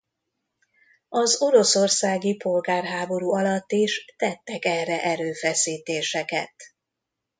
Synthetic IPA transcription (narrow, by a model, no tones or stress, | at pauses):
ɒzo̞ɾo̞so̞rsaːɡipo̞lɡaːrɦaːbo̞ɾuːɒlɒt̪ːiʃt̪ɛt̪ːɛkɛrːɛʔɛɾøːfɛsiːt̪eːʃɛkɛ̰t̪